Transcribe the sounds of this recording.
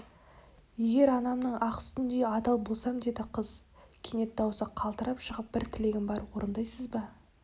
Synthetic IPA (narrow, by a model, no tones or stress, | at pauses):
je̞ɡʲe̞ɾɑnɑmnəɴɑqʏ̥st̪ɪnd̪e̞ɑt̪ɑlˠbo̞lˠsɑmd̪e̞d̪ɪqʰəzkʲʰene̞t̪̚d̪ɑwsəqʰɑlˠt̪əɾʔɑpʃəʁəp̚b̥ɪɾt̪ʰɪle̞ɡʲɪmbɑɾwoɾənd̪ɑjsəzbɑ